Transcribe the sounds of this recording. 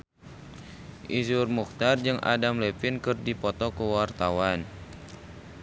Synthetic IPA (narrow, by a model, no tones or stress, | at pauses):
ʔizurmukt̪ard͡ʒɨŋʔa̰damlɛpinkɨrdipɔt̪ɔkuwart̪awan